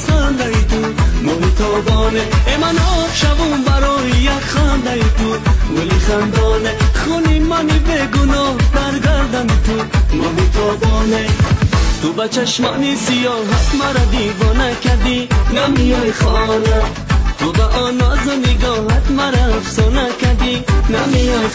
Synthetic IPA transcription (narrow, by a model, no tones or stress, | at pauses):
χand̪ait̪ʰumɔlit̪ʰɔbɔneemanɔfʃavumbaɾɔːjijakχand̪ait̪uɡuliχand̪ɔneχunimanibeɡunɔd̪aɾɡaɾd̪anit̪ʰumɔlit̪ʰɔbɔnet̪ubat͡ʃʰaʃmanisijɔɦat̪maɾad̪ivɔnakaɾd̪inamiɔχɔna | t̪ʰubaʔɔnɔzɔniɡɔɦat̪maɾafsɔnakad̪inamiɔ